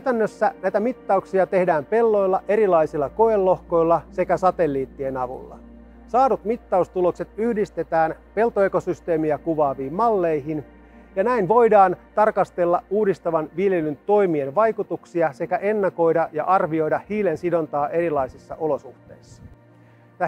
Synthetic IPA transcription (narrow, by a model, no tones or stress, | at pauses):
kæyt̪ænːøsːænæjt̪æmit̪ːɑuksiɑt̪ehdæːmpe̞lːo̞jlːɑʔe̞ɾilɑjsilːɑkoelːo̞hko̞jlːɑse̞kæsɑt̪e̞lːiːt̪ːie̞nɑʋṵlːɑ̰ | sɑːdut̪mit̪ːɑust̪ulo̞kse̞t̪yhdist̪e̞t̪æːnpe̞lt̪oe̞ko̞syst̪e̞ːmiækuʋɑːʋiːmːɑlːe̞jɦin | jɑnæinʋo̞jdɑːnt̪ɑrkɑst̪e̞lːɑuːdist̪ɑʋɑnʋilje̞lynt̪o̞jmienʋɑjkut̪uksiɑse̞kæʔe̞nːɑko̞jdɑjɑ̰ʔɑrʋio̞jdɑhiːle̞nsido̞nt̪ɑːʔe̞ɾilɑjsisːɑ̰ʔo̞lo̞suht̪e̞̰isːɑ̥ | t̪æ